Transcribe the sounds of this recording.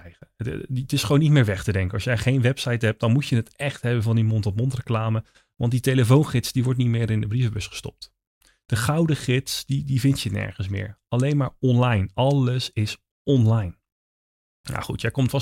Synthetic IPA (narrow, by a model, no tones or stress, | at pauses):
ətɪsχəʋownitmɪːɹʋɛχtədɛŋkəɑsjɛjχejnʋɛpsɑjtɦɛp̚d̥ɑnmutjənətɛχtɦɛbəvɑndimɔntɔp̚mɔntrəklaːmə | ʋɑ̰ntditejləfownχɪtsdiʋɔɹtnitmɪːɾɪndəbrivəbɵsχə̥stɔ̰p̚t | d̥əχɑwdəχɪtsdidivɪntjənɛ̰ɹχənsmɪ̰ːɹɑlejnmaːɹɔnlɑjnɑləsɪs | ɔnlɑjn | na̰χṵtjɛjkɔmtfɑ